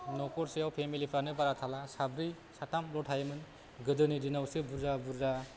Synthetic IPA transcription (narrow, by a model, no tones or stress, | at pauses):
nɔkɔɾsijawpʰemilipʰɾanɯbaɾat̪ʰalasabɾi | satʰamlɔtʰajmɯn | ɡɯdɯnidinawsɯbuɾzabuɾza